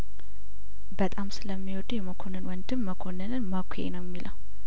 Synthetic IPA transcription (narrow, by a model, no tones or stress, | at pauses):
bət̪ʼamsɨləmːiwɔd̪ujɛməkʰo̞nɨnwɔnd̪ɨmːəkʰo̞nɨnɨnməkʷʰʊḛnəwjɛmːilʔəw